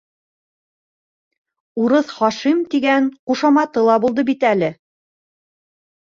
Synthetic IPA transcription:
uɾɤθχɑʃimt̪iɡæŋquʃɑmɑt̪ɤlˠɑbulˠd̪ɤbit̪ælɘ

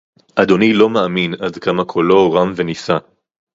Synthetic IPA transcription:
ʔad̪o̞nilo̞maːminadkamakʰolo̞ʁamvenisa

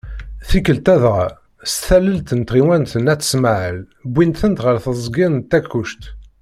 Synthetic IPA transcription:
θikːəlt̪æðʁa | sθælːəlt̪ənt̪ʁiwænt̪ənæt̪ːə̥smaʕəl | bːinθənt̪ʁəɾθəzˤɡɪnt̪ːækːuʃt̪

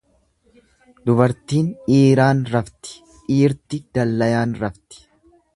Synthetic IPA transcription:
d̪ʊbɐɾt̪iːniːɾaːnɾɐft̪ɪ̥ | iːɾt̪ɪd̪̥ɐlːɐjaːnɾɐft̪ɪ̥

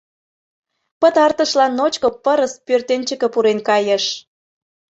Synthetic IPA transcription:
pət̪ɑrt̪əʃlɑnːot͡ɕkopəɾəs̚pørt̪enʲt͡ɕə̆kə̆puɾenkɑjəʃ

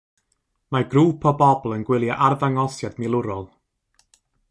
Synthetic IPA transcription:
marɡruːpʰɔbɔblˠənɡwɪlˠjaʔarðaŋɔsjadmɪlˠʊɾɔlˠ

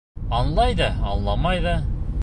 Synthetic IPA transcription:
ɑnlˠɑjd̪ɑɑnlˠɑmɑjðɑ

